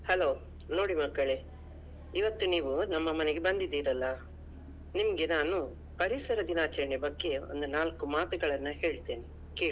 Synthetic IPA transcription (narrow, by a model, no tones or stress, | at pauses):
hɐlo̞ː | no̞ːɽimɐkːɐɭe | iʋɐt̪ːuniːʋunɐmːɐmɐneɡe̞bɐnd̪id̪ːiːɾɐlːɐ | nimɐɡe̞naːnu | pɐɾisɐɾɐd̪inaːt͡ʃɐɾɐɳebɐɡːe̞o̞̰nd̪unaːlkumaːt̪uɡɐɭɐnːɐɦe̞ːɭt̪eːni | ke̞ːɭi